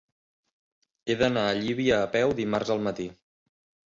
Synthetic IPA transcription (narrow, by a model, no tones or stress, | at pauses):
eðənaəʎiβiəːpɛwd̪imarzəlˠmət̪i